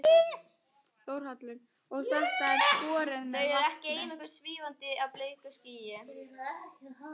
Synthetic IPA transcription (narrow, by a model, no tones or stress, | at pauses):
t̪oːwɾ̥hat̪lɪɾ̥ | ɔɣθɛht̪aɛɾsɔːɾɪðθœɥɛɾɛhcɪeːjnɔhkʏɾ̥sviːvant̪ɪʔaðpleːjkʏsciːjɪ